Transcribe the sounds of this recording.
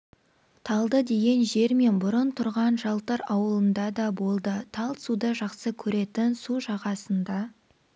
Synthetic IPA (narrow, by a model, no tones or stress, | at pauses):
t̪ʰɑlˠd̪əd̪e̞ɡʲe̞nʒe̞ɾme̞nbʊɾənt̪ʰʊɾʁɑnʒɑlˠt̪əɾɑwəlˠənd̪ɑd̪ɑbo̞lˠd̪ət̪ʰɑlˠsud̪əʒɑqsəkʲʰɵɾe̞t̪ɪnsuʒɑʁɑsənd̪ɑ